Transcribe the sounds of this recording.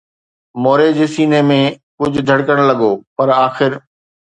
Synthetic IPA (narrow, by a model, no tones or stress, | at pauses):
moːɾed͡ʑeːsiːnemẽkʊd͡ʑʱʊ̆d̪ʱɐɽkəɽ̃lɐɡoːpɐɾaːxɪɾ